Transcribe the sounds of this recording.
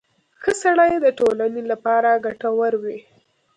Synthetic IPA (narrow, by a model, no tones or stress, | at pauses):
xəsaɽajed̪əʈolanelapɑɾaɡaʈawaɾwi